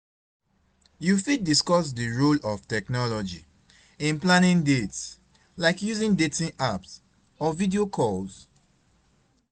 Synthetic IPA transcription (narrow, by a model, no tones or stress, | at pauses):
jufid̚diskɔs̬dəɹulɔftɛknɔlɔd͡ʒi | ĩnplãnĩŋdets | laɪkjuzĩndetĩnʔaps | ɔvidiokʰɔls